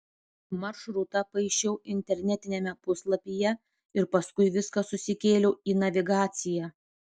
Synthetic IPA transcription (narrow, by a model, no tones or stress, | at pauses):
mɐɾʃɾʊt̪ɐpɐɪʃʲt͡ʃʲɛʊʔɪnʲt̪ʲɛɾʲnʲɛt̪ʲɪnʲɛmʲɛpʊslˠɐpʲijɛ | ɪɾpɐskʊɪʋʲɪskɐsʊsʲɪkʲeːlʲoːiːnɐʋʲɪɡɑːt̪sʲɪjæː